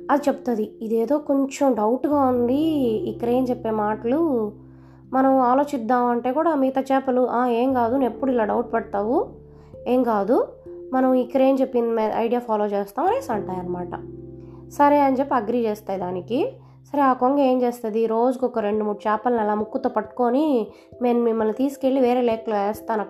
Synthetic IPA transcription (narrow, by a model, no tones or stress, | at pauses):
ɐd̪it͡ʃepːu̥t̪ud̪iid̪e̞ːd̪o̞ːkoɲt͡ʃɐmɖɐwʈɡaːund̪iikːɐɾɐe̞ːmt͡ʃepːe̞ːmaːʈɐlu | mɐnɐmaːlo̞ːt͡ʃid̪ːaːmɐɳʈe̞ːkuːɽaːmiːt̪ɐt͡ʃɛːpɐluʔaːe̞ːmkaːd̪unepːuɽilaːɖɐwʈ̚pɛɽt̪aːʋu | e̞ːŋkaːd̪umɐnɐmikːɐɾɐe̞ːmt͡ʃepːind̪imːd̪ɐ̰jɖijaːpʰaːlo̞ːt͡ʃeːst̪aːmɐɾeːsɐɳʈaːjɐnːɐmaːʈɐ̰ | sɐɾe̞ːɐnd͡ʒepːiɐɡɾiːd͡ʒeːst̪aːjid̪aːniki | sɐɾeaːkoŋɡɐeːmt͡ʃeːst̪ɐd̪iɾo̞ːd͡ʒukɔkɐɾe̞ɳɖumuːɽut͡ʃɛːpɐlnɛlaːmukːut̪oːpɐʈu̥ko̞ːni | meːnumimːɐlːut̪iːsu̥ke̞ɭːiʋeːɾe̞ːlɛːkɐluʋeːst̪aːnɐ